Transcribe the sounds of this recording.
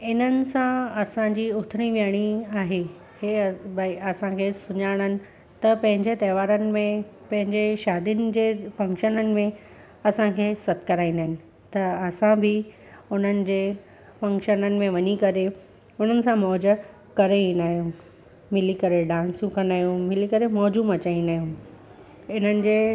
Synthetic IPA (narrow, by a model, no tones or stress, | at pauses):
ɪn̤ənɪ̆sãɐsãd͡ʑiːʊt̪ʰɽ̃iʋijaːɽ̃iaːɦe | hebɐsãkʰeːsʊɲaːɽ̃əənɪ̆ | t̪ɐpɐ̃ɦɪ̃ɲd͡ʑet̪ɛːʋaːɾənɪ̆mẽ | pɐ̃ɦɪ̃ɲd͡ʑeʃaːd̪inɪ̆d͡ʑeːfɐ̃ŋkʃənənɪ̆mẽ | ɐsãkʰeːsɐt̪ʰkɐɾaːĩːnd̪aːɦɪnɪ̆ | t̪ɐɐsãbʱɪ | ʊn̤ənɪ̆d͡ʑeː | fɐ̃ŋkʃənənɪ̆mẽʋɐɲikɐɾe | ʊn̤ənɪ̆sãmɔːd͡ʑ | kɐɾeĩːnd̪aːɦijũ | mɪlikɐɾeɖãːnsũkʰɐnaːijũmɪlikɐɾemɔːd͡ʑuːmɐt͡ɕaĩːnd̪aːɦjũ | ɪn̤ənɪ̆d͡ʑeː